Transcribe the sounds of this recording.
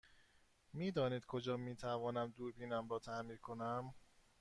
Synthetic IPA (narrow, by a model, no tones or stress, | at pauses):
miːd̪ɒːniːd̪̚kʰod͡ʒɒːmiːt̪ʰævɒːnæmd̪uːɾbiːnæmɾɒːt̪ʰæmiːɾkʰonæm